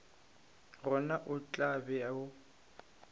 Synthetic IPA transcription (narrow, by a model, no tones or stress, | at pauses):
rɔnaʔʊt͡ɬʼabɛaʊ